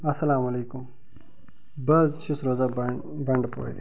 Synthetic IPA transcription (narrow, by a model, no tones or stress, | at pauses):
ɐsɐlaːmɐleːkʊm | bɐzʃʊsɾoːzaː | bɐɳɖpo̰ːḛ